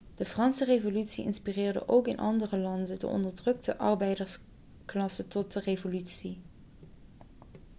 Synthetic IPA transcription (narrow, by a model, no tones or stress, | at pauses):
d̥əfrɑnsərejvolytsiɪ̰nspirɪːɹdə̰ʔowkɪnʔɑ̰ndərəlɑndədə̰ʔɔ̰ndəɹdrɵk̚təʔɑɹbɛjdəɹs | klɑsətɔt̚dərevolytsi